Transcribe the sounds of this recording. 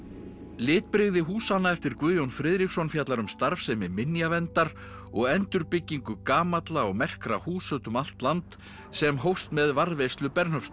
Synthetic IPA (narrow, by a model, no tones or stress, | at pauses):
lɪːt̪̚pɾeɣðɪɦuːsanːaɛft̪ɪɾ̥kvʏːðjownfɾɪðɾiksɔnfjaːt̪laɾʏmst̪aɾfsɛmɛɾmɪnjavɛnt̪aɾ | ɔɣɛnt̪ʏɾpɪcːiŋkʏkaːmat̪laɔɣmɛr̥kɾa̰huːsœt̪ʏmal̥t̪lant̪ | sɛmɦowst̪mɛðvaɾðvejst̪lʏpɛɾnhœfst̪